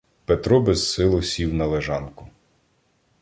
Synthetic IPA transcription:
pet̪ɾɔbɛzsɪlˠʊsʲiwnɐlˠeʒɑnkʊ

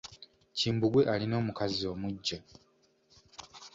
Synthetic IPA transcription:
ciːmbuɡwe̞ʔalino̞ːmukazio̞ːmuɟːa

